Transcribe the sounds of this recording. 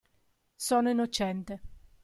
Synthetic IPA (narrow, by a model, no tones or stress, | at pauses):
sɔːnoinːot͡ʃɛnt̪e